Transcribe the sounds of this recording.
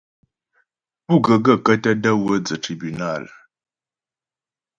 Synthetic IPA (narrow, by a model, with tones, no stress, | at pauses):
pu˦˨ɡə˨ɡə˦˨kə˦tə˦də˦wə˦d͡zə˨tɾi˨by˨na˦˨l